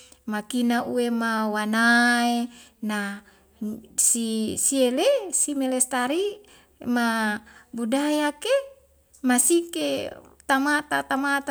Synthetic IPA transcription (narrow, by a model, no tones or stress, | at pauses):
makinaʔuwemawanaena | sisielesimelest̪aɾi | mabudajake | masiket̪amat̪at̪amat̪a